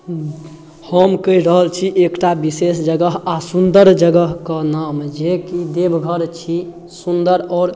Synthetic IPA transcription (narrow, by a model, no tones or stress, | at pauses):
həmkəiɾəɦəlt͡ʃʰiʔekʈabisesd͡ʒəɡəɦasund̪əɾd͡ʒəɡəɦkənamd͡ʒekid̪ebɡʱəɾt͡ʃʰi | sund̪əɾɔːɾ